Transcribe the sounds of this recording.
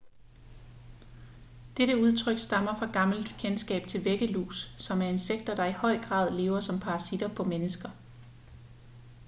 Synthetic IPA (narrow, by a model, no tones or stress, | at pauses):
d̥eɾ̥əuð̞ˠt͡sʰʁœɡ̥sd̥ɑ̈mɐfʁɑ̈ɡ̥ɑ̈ml̩d̥kʰensɡ̥ɛ̰ːb̥t͡sʰe̝lʋeɡ̥əlṵːsːɒ̽mæɐe̝nseɡ̥̚d̥ɐd̥ɑ̈ihɒ̽ɪ̰ɡ̥ʁɑ̰̈ːð̞ˠle̝̰ːʊɐsɒ̽mpʰɑ̈ʁɑ̈sid̥ɐpʰɒ̽menəsɡ̥ɐ